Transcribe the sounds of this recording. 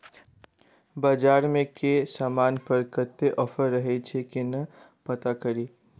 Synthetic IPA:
bad͡ʒaːɾmẽkesaːmaːnpɐɾkət̪ːeʔɔfəɾːɐɦet͡ʃʰekinɐ | pɐt̪akɐɾiː

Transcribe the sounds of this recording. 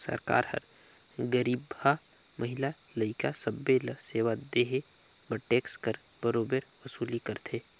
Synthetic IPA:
sə̰ɾka̰ːɾhə̰ɾ | ɡəɾiːbha | məɦɪla | ləɪkasəbːeləseːʋad̪eɦe | bəʈeːkskəɾ | bəɾoːbəɾʋəsuːlikəɾt̪ʰeː

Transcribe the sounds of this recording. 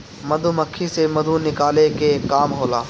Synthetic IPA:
mɐd̪ʱuməkʰːisemɐd̪ʱunɪkaːlekekːaːmɦoːlaː

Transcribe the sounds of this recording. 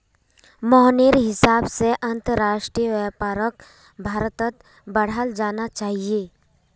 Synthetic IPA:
mɔɦnɪɾɦɪsaːbseʔɐ̃nt̪əɾɾaːʃʈɾijəʋɛpaːɾək̚ | bʱaːɾt̪ət̪ | bɐɽ̤əld͡ʒaːnat͡ʃaːɦieː

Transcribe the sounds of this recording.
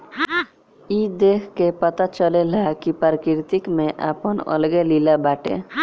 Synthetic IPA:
id̪ekʰkepət̪at͡ʃəlelakipaɾkiɾt̪ikmẽʔa̰ːpənə̰lɡelilabaːʈḛ

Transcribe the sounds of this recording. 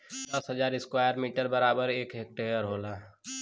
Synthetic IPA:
d̪ɐsɦəd͡ʒaːɾɪskwaːjəɾmiːʈəɾbəɾaːbəɾeːkɦek̚ʈejəɾɦoːlaː

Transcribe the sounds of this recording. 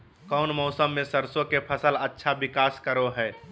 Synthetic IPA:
kɔʊnmɔʊsəmːẽsəɾsõkepʰəsələtːʃʰabɪkaːskəɾoɦɛː

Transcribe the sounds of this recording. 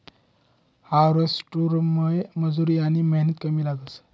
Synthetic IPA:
haɾəsʈuɾməjməd͡zuɾiːaɽ̃iməɦnət̪kəmiːlaɡət͡s

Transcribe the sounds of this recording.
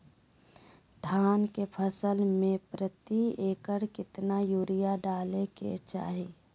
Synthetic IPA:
d̪ʱaːnkepʰəsəlmẽpɾət̪ieːkəɽkɪt̪najuːɾɪjaɖaːlekḛt͡ʃa̰ːɦiː

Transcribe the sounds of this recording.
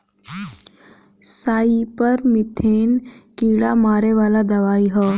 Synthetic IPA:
saːipɐɾmɪt̪ʰeːnkiːɽamaːɾeʋaːlad̪ɐʋaːiɦɛː

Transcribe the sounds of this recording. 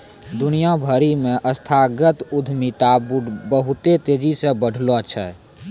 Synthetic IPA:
d̪ʊnijabʱəɾimẽʔəst̪ʰaɡət̪ʊd̪ʱmit̪abəɦʊt̪et̪eːd͡ʒisẽbəɽ̤ʱlot͡ʃʰɛ̰

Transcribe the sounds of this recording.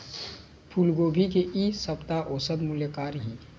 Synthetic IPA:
pʰuːlɡoːbʱikeʔisəpt̪aʔoːsəd̪mʊljəkaːɾɦiː

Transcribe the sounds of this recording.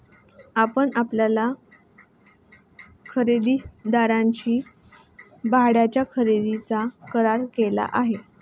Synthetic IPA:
apəɳapljala | kʰəɾed̪id̪aɾãɲt͡ɕiː | baɦɽjat͡ɕjakʰəɾed̪it͡sakəɾaɾkela̰ʔaɦe

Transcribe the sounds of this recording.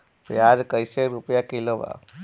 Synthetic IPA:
paːd͡ʒkəjseɾupjakiloba̰

